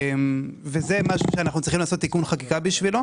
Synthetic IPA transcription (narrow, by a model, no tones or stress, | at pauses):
mvezemaʃuʃeanaχnut͡sʁiχimlaːso̞t̪ːikunχakikabiʃvilo